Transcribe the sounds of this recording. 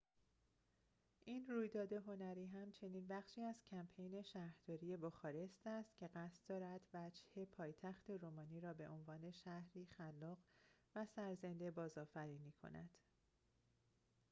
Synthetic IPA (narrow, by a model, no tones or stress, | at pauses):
ʔiːnruːjd̪ɒːd̪e̞ɦo̞næɾiːɦæmt͡ʃʰe̞niːnbæχʃiːæz̥cʰæmpʰe̞jne̞ʃæhɾd̪ɒːɾiːje̞boxɒːɾe̞st̪æst̪cʰe̞ɢæst̪̚d̪ɒːɾæd̪̥væd͡ʒhe̞pʰɒːjt̪ʰæxt̪ʰe̞ɾoːmɒːniːɾɒːbe̞̰ʔo̞nvɒːne̞ʃæhɾiːxælːɒːɢvæsæɾze̞nd̪e̞bɒːzɒːfæɾiːniːkʰo̞̰næ̰d̪̥